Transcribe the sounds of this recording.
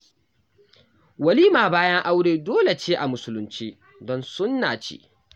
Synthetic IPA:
wɐ˨liː˦maː˨baː˦jɐ˦ŋʔa˦wɽeː˦˨doː˦le˨t͡ʃeː˦ʔa˨mʊ˦sʊ˦lʊ˦nt͡ʃiː˦ | dɔ˦nsʊ˦nːa̰ː˨t͡ʃḛː˦

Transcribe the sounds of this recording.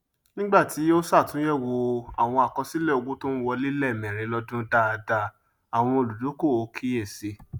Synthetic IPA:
nĩ˦ɡ͡ba˦˨tʰi˨˦o˦sa˦˨tũ˨˦jɛ˦˨wo˧a˨w̃ɔ̃˧a˨kɔ˧si˦lɛ˦˨o˧ɡo˦to˦wɔ˧li˦lɛ˦˨mɛ̃˨ɾ̃ẽ˧˦lɔ˧dũ˦da˦˧da˧ | a˨w̃ɔ̃˧o˨lu˨du˨˦ko˦˨o˨˧kʰi˦e˦˨se˧

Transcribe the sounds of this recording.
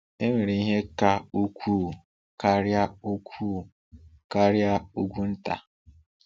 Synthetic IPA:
e˦me˨ɾi˨i˦ɦe˦ka˦u˦kʷʰuː˦˨ | ka˦ɾja˦u˦kʷʰuː˦˨ | ka˦ɾja˦u˦ɡʷu˦n̩˦ta̰˨

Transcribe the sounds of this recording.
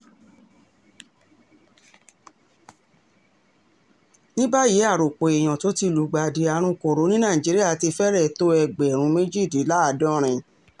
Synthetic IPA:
nĩ˦ba˦je˨˦a˦˨ɾo˨k͡po˨e˨j̃ã˨to˨˦ti˧lu˨˦ɡ͡ba˨de˨˧a˧ɾ̃ũ˧ko˨ɾo˨˦nĩ˦nãː˦˨ĩ˨d͡ʒi˨˦ɾi˦a˦˨ti˧fɛ˦ɾɛ˦˨to˦ɛ˧˨ɡ͡bɛ˨ɾ̃ũ˨˦me˦d͡ʒi˦˨di˨˦la˦a˧˨dɔ̃˦ɾ̃ĩ˧

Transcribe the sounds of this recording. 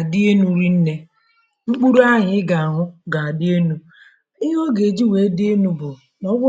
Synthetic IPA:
a˨dɪ˦e˦nu˦ɾi˦n̩˦ne˦ | ŋ͡m̩˦k͡pu˦ɾu˦a˦ɲɪ˨˦ɪ˦ɡa˨a˨ɦʊ˦ɡa˨a˨dɪ˦e˦nu˨ | ɪ˦ɦo˦ɡe˨d͡ʒi˦we˨˦di˦e˦nu˦bʊ˨ | nɔ˦ɡʷʊ˦

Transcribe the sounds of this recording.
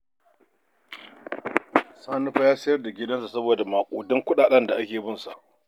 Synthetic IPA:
saː˦nu˦ɸa˦jaː˦sɐ˦jɐ˦rda˨ɡʲɪ˦dɐ˦nsu˨sɐ˦boː˨da˨maː˨kʷʼoː˨dɔ˦ŋkʷʊ˦ɗaː˨ɗɐ˦nda˨ʔa˦kʲeː˨bɪ˦nsa˨ʔ

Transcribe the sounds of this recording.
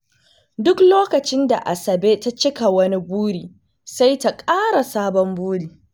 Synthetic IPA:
dʊ˦kloː˦kɐ˨t͡ʃɪ˦nda˨ʔa˨sɐ˨beː˦ta˦t͡ʃɪ˦ka˨wɐ˦ni˦buː˦ɽiː˨ | sa˦jta˦kʼaː˦ɽa˨saː˦bɔ˦mbuː˦ɽiː˨

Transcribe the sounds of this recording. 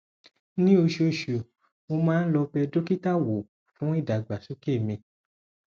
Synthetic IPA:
nĩ˦o˧ʃo˨˧˨ʃo˨ | mo˧mãː˦n̩˦lɔ˧bɛ˧do˦ki˦ta˦˨wo˨ | fũ˨˦i˦˨da˨ɡ͡ba˨su˨˦ke˦˨mĩ˧

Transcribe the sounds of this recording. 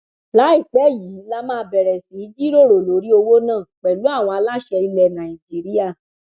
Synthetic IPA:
la˨˦i˦˨k͡pɛ˨˦ji˨˦la˧mãː˦˧˦bɛ˨ɾɛ˨si˨˦d͡ʒi˦ɾo˦˨ɾo˨lo˨˦ɾi˦o˧wo˦nãː˦˨k͡pɛ˨lu˨˦a˦˨w̃ɔ̃˧a˧la˦ʃɛ˧i˧lɛ˨nã˨ĩ˨d͡ʒi˦ɾi˦a˦˨

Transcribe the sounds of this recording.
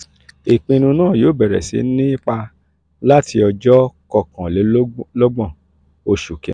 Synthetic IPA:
e˨k͡pĩ˧ñũ˧nãː˦˨joː˨˦˨bɛ˨ɾɛ̰˨sḭ˨˦nĩ˦k͡pa˧ | la˦tʰi˧ɔ˧d͡ʒɔ˦kɔ˦˨kã˨le˨˦lɔ˦ɡ͡bɔ̃˦˨ | o˧ʃu˨kɛ̰̃˨

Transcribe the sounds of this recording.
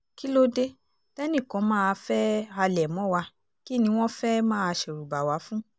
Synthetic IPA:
ki˦lo˦de˦ | tɛ˦nĩ˦˨kɔ̃˨˦mãː˦˧fɛ˦a˧lɛ˨mɔ̃˨˦˨wa˧ | ki˦nĩ˧˦w̃ɔ̃˦fɛ˦mãː˦˧ʃe˨ɾu˨ba˨wa˨˦fũ˦

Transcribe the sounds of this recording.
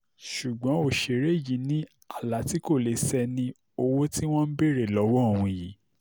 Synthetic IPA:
ʃu˨ɡ͡bɔ̃˨˦o˦˨ʃe˧˨ɾe˦˨ji˨˦nĩ˦ | a˦˨la˨˦ti˦ko˦˨le˨˦sɛ˧nĩ˦ | o˧wo˦ti˦w̃ɔ̃˦n̩˦be˦˨ɾe˦˨lɔ˨˦wɔ˦o˦˨w̃ũ˧˨ji˨˦

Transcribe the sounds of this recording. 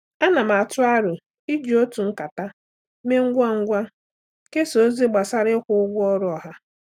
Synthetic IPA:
a˦na˨m̩˨a˨tʊ˦a˦ɾʊ˨ | i˦d͡ʒi˨o˦tu˨ŋ̩˦ka˨ta˦ | me˦ŋ̩˦ɡʷa˦ŋ̩˦ɡʷa˦ | ke˦so˨˦zi˦ɡ͡ba˨sa˦ɾɪ˦kʷʊ˦ʊ˦ɡʷʊ˦ɔ˦ɾʊ˦ɔ˨ɦa˦

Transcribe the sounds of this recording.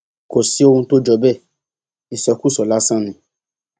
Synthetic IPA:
ko˨si˨˦o˦hũ˧to˦d͡ʒɔ˧bɛ˦˨ | i˨sɔ˨ku˦˨sɔ˨la˦sã˦nĩ˧˦

